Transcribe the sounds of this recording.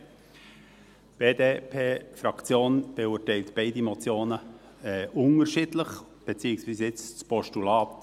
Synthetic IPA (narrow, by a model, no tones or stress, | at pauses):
b̥eːdeːpʰeːfɾɑkt͡sjoːnb̥euəɹtɛɪltb̥eɪdimɔt͡sjoːnə | ɛʔʊŋəʃidləχ | b̥et͡siːəksviːsɪt͡st͡spɔʃtulɑːt